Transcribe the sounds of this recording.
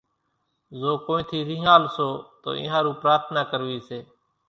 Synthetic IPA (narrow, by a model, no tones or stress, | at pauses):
zoːkoːĩːt̪ʰiːɾiːɦaːlsoːt̪o̰ːʔɪ̰̃ːɦãːɾuːpɾaːt̪ʰnaːkəɾʋiːseː